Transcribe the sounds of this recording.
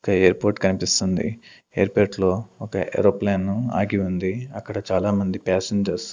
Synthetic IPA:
ɔkɐeːɾpoːɾʈkɐnipist̪und̪ḭ | eːɐɾpoːɾʈlo̞ːɔkɐʔḛːɾoːplaːnːua̰ːɡiund̪iɐkːɐɽɐt͡ʃaːlaːmɐnd̪ipɛːseɲd͡ʒɐɾs

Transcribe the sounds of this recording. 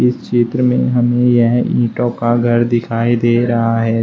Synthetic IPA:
ɪst͡ʃeːt̪ɾəmẽɦɐmẽjɐɦĩːʈõkaɡʱɐɾd̪ɪkʰaːid̪eːɾɐɦaɦɛː

